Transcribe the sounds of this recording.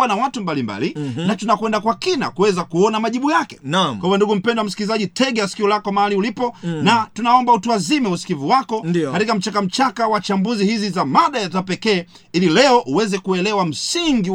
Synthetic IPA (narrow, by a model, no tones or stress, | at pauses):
anawatumbalimba̰linatunakwɛndakwakina̰kuwɛzakuɔnamaʄiɓujakɛ̥nwaiwanduɡum̩pɛndwam̩si̥kilizaʄitʰɛɡaasi̥kiɔlakɔmahaliulipɔnatunaɔmbautuazimɛusi̥kiviwakɔnikatikam̩t͡ʃakam̩t͡ʃakawat͡ʃambuzihizizamaɗajazapɛkɛː | ililɛɔʔuwɛzɛkuɛlɛwam̩siŋɡi